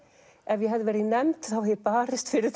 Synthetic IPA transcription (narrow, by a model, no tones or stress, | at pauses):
ɛvjɛɦɛvðɪvɛːɾɪnɛmt̪θawɛpaːɾɪst̪fɪɾɪθ